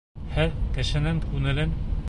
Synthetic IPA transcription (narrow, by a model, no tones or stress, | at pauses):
hæɾkɘ̆ʃɘ̆nɘŋkʉŋɘ̆lɘn